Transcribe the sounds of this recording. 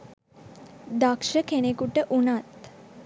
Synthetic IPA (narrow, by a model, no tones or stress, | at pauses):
d̪akʂəkʰenekuʈəʔunat̪